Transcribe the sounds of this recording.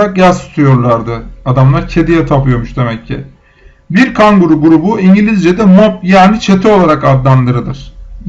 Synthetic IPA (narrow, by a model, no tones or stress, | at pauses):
akjazsu̥t̪ʰujo̞ɾlˠaɾd̪ɯad̪amlˠaɾcʰe̞d̪ijɛt̪ʰapɯjo̞muʃd̪e̞mɛcʰːḭ | biɾkʰaŋɡuɾuɡuɾubuiɲɟilʲizd͡ʒed̪ɛmop̚jaːnit͡ʃʰe̞t̪ʰio̞lˠaɾakad̪lˠand̪ɯɾɯd̪ɯɾ̥